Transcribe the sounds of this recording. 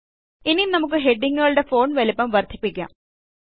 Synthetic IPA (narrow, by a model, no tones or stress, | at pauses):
ininɐmuk̬ːɨɦe̞ɖːiŋːuɣɐɭuɽe̞fo̞ːɳʋɐlipːɐmʋɐrd̪ʱipʲːikʲːa̰ːm